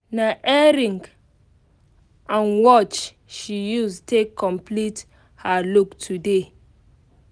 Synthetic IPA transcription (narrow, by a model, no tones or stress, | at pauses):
naʔɛɹĩŋɡ | ʔãnwɔt͡ʃ | ʃijustʰekʰːɔ̃mpʰlit | haluktʰude